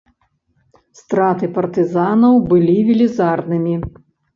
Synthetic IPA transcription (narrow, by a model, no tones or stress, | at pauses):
st̪ɾat̪ɨpɐrt̪ɨzanɐwbɨlʲivʲilʲizarnɨmʲi